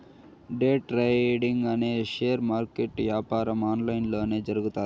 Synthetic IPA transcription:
ɖeːʈɾɐɖiŋɡɐne̞ːʃeːɐɾmaːɾkeʈʋjaːpaːɾɐmaːnlɐjnlo̞ːne̞ːd͡ʒɐɾuɡut̪aː

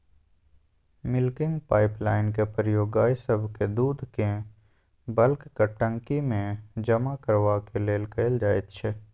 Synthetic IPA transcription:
mɪlkɪ̃ŋɡpaːɪplaːɪnkepɾjoːɡaːjsəbʱked̪uːd̪ʱkẽ | bəlkːəʈːə̃ŋkimẽd͡ʒɐmakəɾʋakeleːlkəɪld͡ʒaːet̪ʃʰɛ

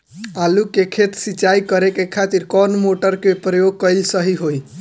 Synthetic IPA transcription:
alukekʰet̪sit͡ʃaikəɾekekʰat̪iɾkɔnmoʈəɾkepɾəjoɡ̚kəlsəɦiɦoj

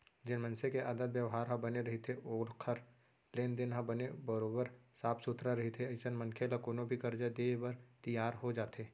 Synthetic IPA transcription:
d͡ʒɪnmə̃nsekeaːd̪ət̪wjəʋɦaːɾɦɐ̃bɐneɾɐɦet̪ʰeʔoːlkʰəɾ | leːnd̪ɪnɦɐ̃bɐnebɐɾoːbəɾsaːpʰsʊt̪ɾaɾɐɦet̪ʰeɪsənmɐnkʰelakoːnobʱikɐɾd͡ʒad̪eːbɐɾt̪ijaːɾɦod͡ʒaːt̪ʰeː

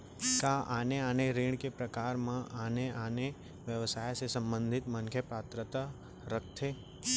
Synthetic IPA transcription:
kaʔaːneaːneɾiːɳ̃kepɾəkaːɾmãʔaːneaːne | ʋjəʋsaːjsesə̃mbə̃nd̪ʱɪt̪mənkʰjəpaːt̪ɾət̪a | ɾək̚ʰt̪ʰe

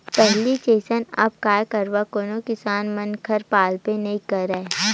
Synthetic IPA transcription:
pɛɦlit͡ʃeːsənɐ̰b̚kaːjkəɾʋakoːnokɪsaːnmɐnkʰɐɾpaːlpenɐĩkɐɾɛ

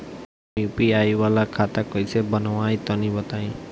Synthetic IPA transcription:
jupiajwalakʰat̪akɔjsebʌnɔwajt̪ɔnibʌt̪aĩ

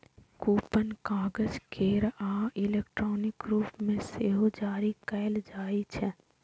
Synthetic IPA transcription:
kuːpənkaːɡəd͡ʒkʰeːɾaːɪleːkʈɾɔːnɪkɾuːpmẽseɦod͡ʒaːɾikɛːld͡ʒaːit͡ʃʰɛ

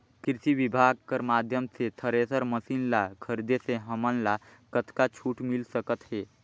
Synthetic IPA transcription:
kɾɪsiʋibʱaːɡ̚kəɾmaːd̪ʱjəmset̪ʰəɾesəɾməsinlakʰəɾd̪eseɦəmənla | kət̪ʰkat͡ʃʰuːʈmilsəkət̪ɦeː

